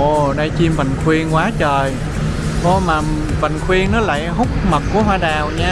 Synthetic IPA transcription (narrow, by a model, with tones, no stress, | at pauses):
ʔo˨˩ɗə˧jt͡ɕi˧mvə̰˧˨jŋxʰwi˧ənkwaː˨˦t͡ɕəː˨˩j | ʔo˧˩maː˨˩ | və̰˧˨jŋxʰwi˧əŋnɔ˨˦la̰ː˧˨jɦʊ˦˥k͡p̚mə˨˩t̚ku˧˩əɦwaː˧ɗaː˨˩wɲaː˧